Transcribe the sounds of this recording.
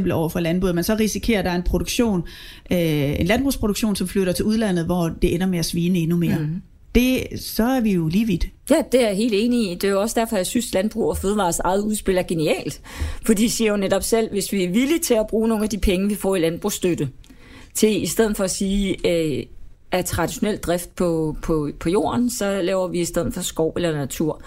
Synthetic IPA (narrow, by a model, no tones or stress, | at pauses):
mb̥l̩ɒʊ̰ɐfɒ̽lænb̥ṵːmænsɒ̽ʁisikʰe̝̰ːɐd̥ɑ̈ɐe̝npʰʁo̝d̥uɡ̥ɕo̝̰ːn | enlænb̥ʁṵːspʰʁo̝ɾ̥uɡ̥ɕo̝̰ːnsɒ̽mfløɾ̥ɐt͡sʰe̝uð̞ˠlæn̰ð̞̩ˠʋɒd̥e̝ʔenɐmeæsʋiːnəe̝nume̝ɐ | d̥e̝sɒ̽æɐʋijo̝liːʋid̥ | jæd̥e̝æɐɦe̝̰ːld̥e̝ːniid̥e̝joɒ̽səd̥æɐfɒ̽jɑ̈ɪsynslænb̥ʁṵːɒføːð̞ˠʋɑ̈ːsɑ̈ɪð̞̩ˠuð̞ˠsb̥e̝lɐæɐɡ̥e̝niɛ̰ːld̥fɒd̥ḭːsiɐjo̝neɾ̥ɒ̽b̥sel̰ʋe̝sʋiæɐʋilit͡sʰe̝læb̥ʁuːno̝ːn̩æd̥ipʰeŋəʋifɒ̰ːilænb̥ʁusd̥ød̥ə | t͡sʰe̝isd̥eð̰̩ˠfɒ̽æsiː | æt͡sʰʁɑ̈d̥iɕo̝nel̰d̥̚ʁafd̥̚pʰɒ̽pʰɒpʰɒ̽jo̝̰ːɐnsɒ̽lɛːʊɐʋiisd̥eð̞̰ˠð̩ˠfɒ̽sɡ̥ɒʊ̰elɐnæt͡sʰuɐ̰